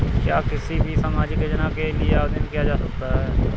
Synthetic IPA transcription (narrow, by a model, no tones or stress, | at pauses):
kjaːkɪsiːbʱiːsəmaːd͡ʒɪkəd͡ʒnaːkelɪeapd̪ɪnkijaːd͡ʒaːsək̚t̪aɦɛː